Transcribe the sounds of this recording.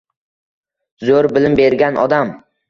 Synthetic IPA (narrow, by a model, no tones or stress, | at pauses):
zoɾbɪlɪmbeɾɡʲanʔɒ̰d̪am